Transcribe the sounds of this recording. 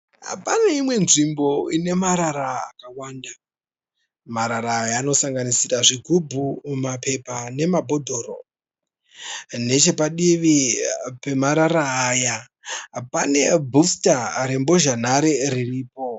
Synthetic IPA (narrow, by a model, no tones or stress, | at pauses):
a̰paneimwe̞nʐimbo̞ine̞maɾaɾa̰ːkawaːnda | maɾaɾajano̞saŋɡanisiraʐiɡʱubʱumape̞pane̞mabʱo̞dʱo̞ːɾo̰ | ne̞t͡ʃe̞paɗiʋipe̞maɾaɾaːja | pane̞bʱustaɾembo̞ʒan̤aɾeririːpo̞